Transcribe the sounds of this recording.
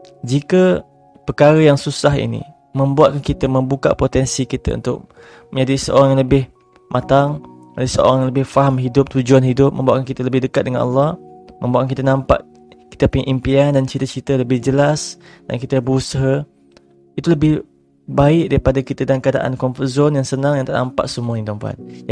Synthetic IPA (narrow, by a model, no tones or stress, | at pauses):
d͡ʒikə | pəkaɾəjaŋsusaɦḭnḭ | mə̃mbuat̪̚kankit̪əmə̃mbuka̰ʔpot̪ɛnsikit̪a̰ṵnt̪ʊ̰k̚ | məɲd͡ʒadisəʔo̰ɾaŋjaŋləbɪh | mʔat̪aŋ | alasəo̰ɾaŋjaŋləbɪhfaɦamɦidʊp̚t̪ud͡ʒuanɦidʊp̚mə̃mbuaʔ̪̚kankit̪ələbɪhdəkat̪̚dəŋanɑ̰lːɑhmə̃mbuaʔkaŋkit̪ənãmpa̰ʔ | ki̥t̪əpuɲaʔimpiandant͡ʃit̪ət͡ʃit̪ələbɪhd͡ʒəlas | d̥a̰nkit̪əbəɾusaɦa | it̪uləbɪh | baɪʔ̚daɾipadakit̪ədankada̰ʔa̰nkɔnfuzɔnjaŋsənãŋjãŋt̪ana̰mpa̰ʔsəmuanint̪ɔmpua̰t̪̚